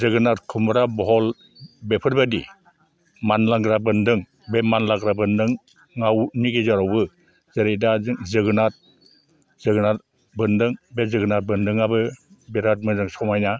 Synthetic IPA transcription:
zɯɡɯnat̚kʰɯmɾabɔɦɔl | bepʰɯɾbadi | manlaŋɡɾabɯndɯŋ | bemanlaɡɾabɯndɯŋː | awniɡezaɾawbɯ | zeɾedazɯŋzɯɡɯnat̚ | z̥ɯɡɯnat̚ | bɯndɯŋbezɯɡɯnat̚bɯndɯŋabɯbeɾat̚mɯzɯŋsɔmajna

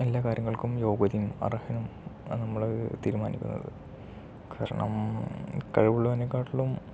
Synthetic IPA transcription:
elːaːkaːɾjɐŋːɐɭkumjo̞ːɡɐðimɐ̰rɐhɐnumnɐmːɐɭt̪iːɾuma̰ːnikʲːṵnːɐ̰ðɨ̰ | kaːɾɐ̰ɳɐ̰m | kɐɻɐʋuɭːt̪ɐnːekːaːʈuɭːum

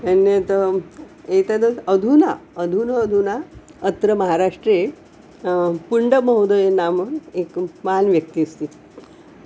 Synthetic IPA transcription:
ənːet̪ə | et̪ad̪əsəd̪ʱunaəd̪ʱunəːd̪ʱunaət̪ɾəməɦaɾaʂʈɾe | puɳɖəməɦod̪əjenaməekmanʋjək̚t̪iəst̪i

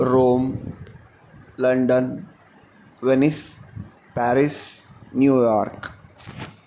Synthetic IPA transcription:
ɾoːm | lɐ̃ɳɖən | ʋenis | pæːɾisnjuːjaːɾk

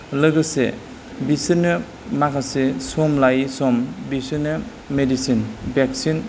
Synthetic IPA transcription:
lɯɡɯsḛ | bisinɯ | makʰasesɔmlajsɔmbisinɯ | medisinbek̚sin

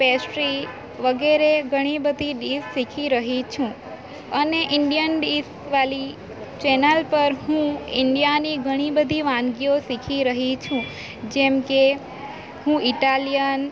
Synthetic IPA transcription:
pɛsɾi | ʋəɡeɾeɡʱəɽ̃ibəd̪ʱiɖissikʰiɾəɦit͡ʃʰũ | əneʔɪɳɖijənɖis | ʋali | t͡ʃɛnəlpəɾɦũɪɳɖijaniɡʱəɽ̃ibəd̪ʱiʋãnɡiosikʰiɾəɦit͡ʃʰũ | d͡ʒɛmke | hũiʈalijən

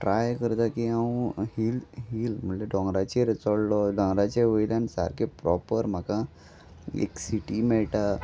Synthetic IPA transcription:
ʈɾajkəɾt̪akiãhilɦiːlm̤əɳleɖɔ̃ŋɡɾat͡ɕeɾet͡sɔɽlɔɖɔ̃ŋɡɾat͡ɕeʋəlãnsa̰ɾkepɾɔpəɾm̤aka | ḛksiʈimɛɭʈa

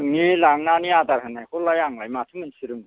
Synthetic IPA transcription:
ŋilaŋnaniad̪aɾɦɯnajkʰulajaŋlajmatʰɯmɯnsʰiɾɯm

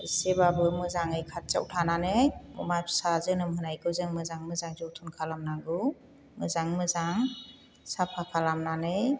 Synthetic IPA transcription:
isebabɯmɯzaŋɯjkʰat̚t͡ʃa̰wtʰananɯmɔmajpʰsazɯnɯmɦɯnajɡɯwzɯŋmɯzaŋmɯzaŋzɔwtʰunkʰalamnaɡɯ | mɯzaŋmɯzaŋ | sapʰakʰalamnanɯj

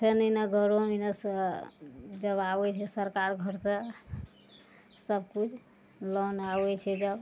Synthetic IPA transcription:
pʰenənaɡʱəɾominəs | d͡ʒəbawɛt͡ʃʰɛsəɾkaɾɡʱəɾsa | səbkut͡ʃʰ | lonawɛt͡ʃʰɛd͡ʒəb

